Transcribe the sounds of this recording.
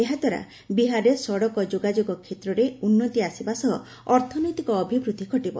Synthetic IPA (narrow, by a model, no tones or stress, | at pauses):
eɦad̪ʱwaɾa̰ | biɦaɾesɔɽɔkɔd͡ʒoɡad͡ʒoɡɔkʰːet̪ɾɔɾeunːɔt̪iasibasɔɦɔ | ɔɾt̪ʰɔnɔjt̪ikɔːbʱibɾud̪ʱikʰɔʈibɔ̰